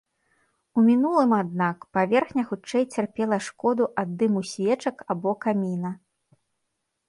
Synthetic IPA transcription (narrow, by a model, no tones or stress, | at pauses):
umʲinulˠɨmad̪̚nakpavʲɛrxnʲɐxut͡ʂɛjt͡sʲarpʲɛlˠɐʂkɔd̪uʔad̪ːɨmusʲvʲɛt͡ʂɐkabɔkamʲinɐ